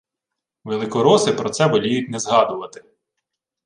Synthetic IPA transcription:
ʋelˠɪkɔɾɔsɪpɾɔt̪sɛbɔlʲijʊtʲnɛzɦɑd̪ʊʋɐt̪ɪ̥

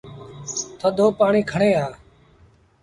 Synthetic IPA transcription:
t̪ʰəd̪ʱoːpaːɳiːkʰəɳẽːaː

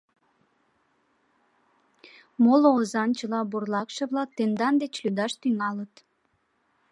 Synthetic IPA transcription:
moloozɑnt͡ɕəlɑburlɑkʃəβlɑk̚t̪end̪ɑnd̪et͡ɕlyd̪ɑʃt̪yŋɑlət̪

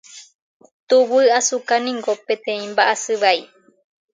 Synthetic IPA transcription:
t̪uβɨasukanĩŋɡopẽt̪ẽĩmbaʔasɨβai

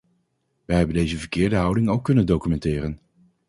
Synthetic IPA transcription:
ʋɛjɦɛbəndejzəvəɹkɪːɹdəɦʌwdɪŋowkːɵnəndokymɛntɪːrən

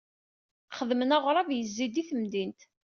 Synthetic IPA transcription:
χəðmənaʁɾˤɑvjəzːid̪iθəmd̪int̪

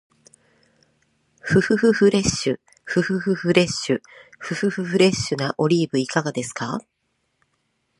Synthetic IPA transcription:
ɸɯ̟hɯ̟ɸɯ̟hɯ̟ɾe̞ɕːɨ | ɸɯ̟hɯ̟hɯ̟hɯ̟ɾe̞ɕːɨɸɯ̟ɸɯ̟hɯɸɯ̟ɾe̞ɕːɨnaʔo̞ɾʲiːbɯ̟ikaɡad̪e̞sɨ̥ka

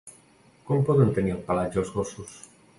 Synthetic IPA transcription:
kɔmpɔðənt̪əniəlˠpalad͡ʒəlˠzɣosus

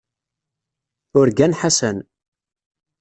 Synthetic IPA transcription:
ʊɾɡænħasən

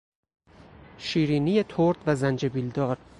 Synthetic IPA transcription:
ʃiːɾiːniːjet̪ʰoɾd̪væzænd͡ʒebild̪ɒːɾ

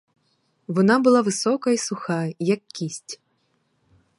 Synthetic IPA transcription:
vɔnabɨlˠavɨsɔkɐisuxajɐkːʲisʲt͡sʲ

